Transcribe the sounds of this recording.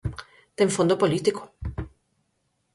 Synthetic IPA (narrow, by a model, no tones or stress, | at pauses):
d̪eɱfond̪opolit̪iko̥